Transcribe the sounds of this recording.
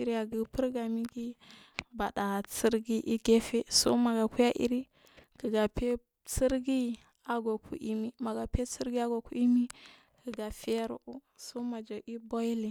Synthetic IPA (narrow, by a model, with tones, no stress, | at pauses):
i˨ɾi˦ja˨ɡə˨pə˦ɾɡa˨mi˦ɡi˦ba˨ɗa˨t͡si˦ɾɡi˦ʔi˦ɡe˦fe˦so̰˦ma˨ɡa˨ku˦ja˦ʔḭ˦ɾi˦ | kə˨ɡa˨pe˦ | t͡si˦ɾɡi˦ | a˨ɡo˨kʰṵ˨˦ʔi˦mi˦ma˨ɡa˨pe˦t͡si˦ɾɡi˦a˦ɡo˨ku˦i˦mi˦ | kə˨ɡa˨fe˦ɾṵ˨ʔu˦ | so˦ma˨d͡ʒa˨ʔi˦bo˦ji˦li˨